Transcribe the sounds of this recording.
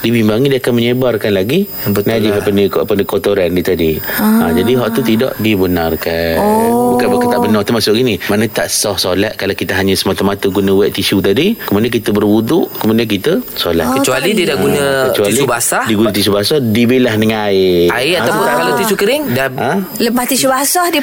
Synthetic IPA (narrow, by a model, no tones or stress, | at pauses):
dibimbaŋidiakanməɲəbarkanlaɡi | nad͡ʒɪfapənəkapənəkot̪oɾandit̪adiad͡ʒadiɦɔʔt̪ut̪idɔ̰ʔdibənarkannbukanbukakt̪aʔbənɔht̪əmasʊʔɡinimanə̃t̪aʔsɔhsolat̪̚kalawkit̪əɦaɲə̃səmat̪amat̪əɡunə̃wɛʔt̪isut̪adikəmudiankit̪əbərwuduʔkəmudiankit̪əsola̰t̪kət͡ʃualidiədaɡunəkət͡ʃualiubasadiɡunət̪is̬ubasɔhdibilahdəŋanaɪaɪaawpʊnkalat̪isukəɾɪŋdaãləpast̪isubasahdi